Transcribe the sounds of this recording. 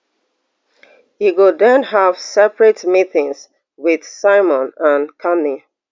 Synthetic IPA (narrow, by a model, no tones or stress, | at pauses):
hiɡudɛ̃nɦav̥sɛpɹɛtmiθɪ̃ŋs | wið̥saɪmɔ̃nãnkʰani